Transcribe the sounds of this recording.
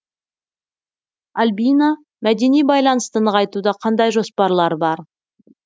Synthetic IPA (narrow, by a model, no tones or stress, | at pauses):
alʲbijna | mæd̪e̞nijbɑjlˠɑnəst̪ənəʁɑjt̪ud̪ɑqʰɑnd̪ɑjʒo̞spɑɾlˠɑɾbɑɾ